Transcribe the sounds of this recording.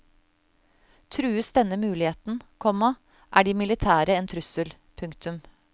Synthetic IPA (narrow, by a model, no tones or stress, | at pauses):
t̪ʰɾʉːəsd̪ɛnːəmʉːlɪheːt̪n̩kʰɔmɑ | ʔæːɖiːmɪlɪt̪ʰæːɾəeːnt̪ʰɾʉsəl | pʰʉŋkt̪ʰʉm